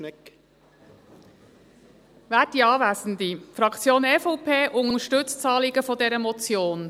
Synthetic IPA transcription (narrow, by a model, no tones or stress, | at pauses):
ʋæːdiɑːvæsn̩d̪ifɾɑkʰt͡sjoːnɛfɔpʰeːʔʊŋəəʃtɵt͡st͡sɑːliɡəfɔd̪ɛɾəmɔt͡sjoːn